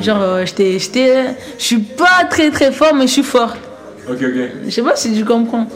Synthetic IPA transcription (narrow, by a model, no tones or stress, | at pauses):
ʒɑ̃ʁʒət̪ɛʒət̪ɛ | sɥipat̪χɛt̪χɛfɔʁmɛəsɥifɔʁ | okəsepasit̪ykɔ̃pχɑ̃